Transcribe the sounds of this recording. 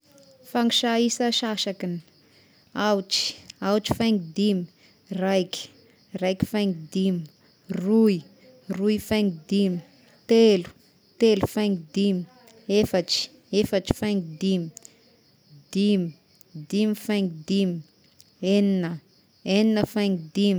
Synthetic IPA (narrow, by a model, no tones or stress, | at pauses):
faŋiʃaisəʃaʃakini̥ | awʈ͡ʂi̥awuʈ͡ʂi̥fajŋɡid̪imi | rajki̥ | rajki̥fajŋɡid̪imi | rui | ruifaŋɡid̪imi̥ | t̪elu̥ | t̪elufaŋid̪imi | efaʈ͡ʂi̥ | efəʈ͡ʂi̥fajŋid̪imi̥ | d̪̥imi | d̪imifajŋɡid̪imi | eninə | eninəfajŋd̪im